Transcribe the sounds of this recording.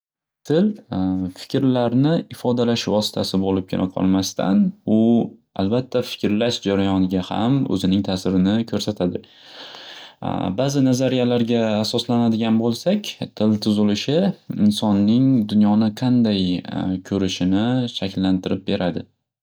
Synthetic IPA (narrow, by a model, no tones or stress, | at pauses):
t̪ʰɪlfɪ̥kʲɾlaɾnɪɪfɒd̪alaʃvɒsɪ̥t̪ʰasɪbolɪp̚kʲʰelʔa̰qʰɒ̰lˠmast̪ʰa̰nʊa̰lbat̪ʰːafɪ̥kʲɾlaʃd͡ʒaɾajɒnɪɡʲaha̰mɵ̰zɪnɪŋt̪ʰasɪɾɪnɪkʰɵɾsat̪ʰad̪ɪ | baːzɪnazaɾijalaɾɡʲaːsɒslanad̪ɪɡʲanbolˠsakʲt̪ʰɪlt̪ʰʊzɪlɪʃɪɪnsɒnːɪŋd̪ʊnjɒnɪqʰɑnd̪ajkʲʰɵɾɪʃɪnɪʃakʲlːant̪ʰɪɾɪp̚be̞ɾad̪ɪ